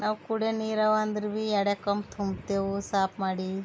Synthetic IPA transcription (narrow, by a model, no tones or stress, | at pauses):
naːʋkuɽeniːɾɐʋaːnd̪ɾʋiɛɽekɐmt̪ʰumbt̪eːʋsaːpmaːɽi